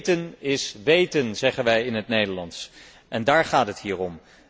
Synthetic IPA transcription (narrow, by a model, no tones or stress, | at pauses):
tənɪsʋejtənzɛχənʋɛjɪnɦətnejdəɹlɑns | ʔɛndaːɹχaːtɦətɦiːrɔm